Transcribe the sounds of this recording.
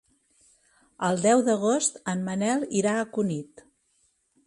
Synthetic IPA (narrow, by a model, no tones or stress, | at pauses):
əlˠd̪ɛwðəɣ̞ost̪əmmənɛlˠiɾaəkunit̪